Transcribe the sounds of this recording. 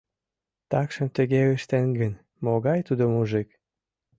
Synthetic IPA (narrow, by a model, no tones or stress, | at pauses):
t̪ɑkʃə̆mt̪ə̆ɣeeʃt̪eŋɡən | moɣɑjt̪ud̪omuʒɨk